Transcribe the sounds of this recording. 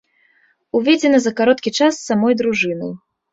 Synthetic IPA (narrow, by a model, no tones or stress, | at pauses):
uvʲed͡zʲɛnɐzɐkaɾɔt̪kʲit͡ʂasːamɔjd̪ɾuʐɨnɨ̰j